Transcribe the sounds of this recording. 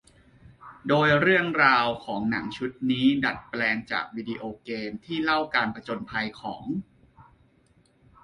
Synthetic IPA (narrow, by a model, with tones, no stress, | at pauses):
doː˧jɾɯ˥˩əŋɾaː˧wkʰɔː˩˦ŋna̰˩˦ŋt͡ɕʰu˦˥t̪̚niː˦˥da̰˨˩t̪̚plɛː˧ŋt͡ɕa̰ː˨˩k̚wiː˧di˧ʔoː˧keː˧mt̪ʰiː˥˩la˥˩wkaː˧npɾa˧t͡ɕo˧npʰa˧jkʰɔ̰ː˩˦ŋ